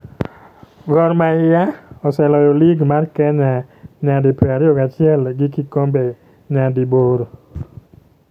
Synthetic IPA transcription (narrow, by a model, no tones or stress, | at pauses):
ɡɔɾmaɪjaɔsɛlɔjoliɡmarkɛɲaɲadipeaɾjoɡat͡ʃɪɛlɡɪkikombe | ɲadiboɾo